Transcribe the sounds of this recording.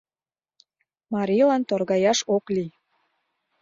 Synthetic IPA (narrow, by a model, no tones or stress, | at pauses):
mɑɾʲilɑnt̪orɣɑjɑʃokli